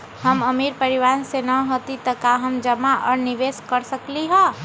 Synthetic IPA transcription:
həməmiɾpəɾiʋansenəɦot̪it̪əkaɦəmd͡ʒəmaʔɔɾniʋeskəɾsəkliɦə̃

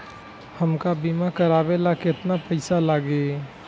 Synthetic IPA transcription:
həmkabimakəɾaːbelakɪɪt̪napəɪsalaːɡe

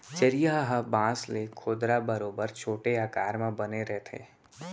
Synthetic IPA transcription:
t͡ʃɐɾijaɦɦəbãːslekʰoːd̪ɾabɐɾoːbəɾt͡ʃʰoːʈeaːkaːɾmãbɐneɾɛɦt̪ʰḛː

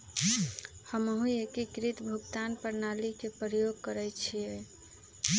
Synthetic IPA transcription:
həməɦũekikɾit̪bʱuɡt̪anpəɾnalikepɾjoɡ̚kəɾɛjt͡ʃʰie

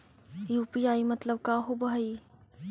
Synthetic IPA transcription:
juːpijaːimɐt̪ləb̚kaːɦobɐɦi

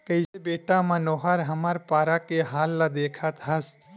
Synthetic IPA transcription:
kəisebeːʈãmə̃noːɦəɾɦəməɾpaːɾakeɦaːlːad̪eːkʰət̪ɦəs

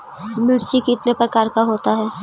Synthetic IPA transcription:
mɪɽt͡ʃikiɪt̪nepɾɐkaːɾkaɦoːt̪aɦɛː

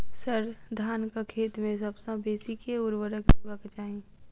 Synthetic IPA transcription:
səɾd̪ʱaːnkakʰeːt̪mẽsɐbsãbeːsikʰeʊɾwəɾəkd̪uʋəkt͡ʃaːĩ

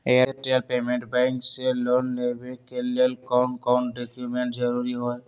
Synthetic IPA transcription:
eaʈɾalpemẽɳʈbajŋkselɔnlebekelelkɔnkanʈɖekjumeɳʈd͡ʒəɾuɾiɦɔj

